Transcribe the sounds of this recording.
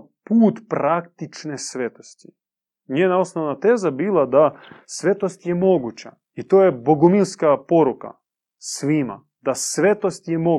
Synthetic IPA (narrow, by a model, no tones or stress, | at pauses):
puːt̪pɾakt̪it͡ʃnesʋet̪o̞st̪i | ɲeːnao̞snoʋnat̪e̞ːzabiːlˠad̪asʋe̞t̪ost̪je̞mo̞ɡut͡ɕa | it̪oːjeboɡumilskapo̞ɾuka̰ | sʋima̰ | d̪asʋe̞t̪ost̪jemo̞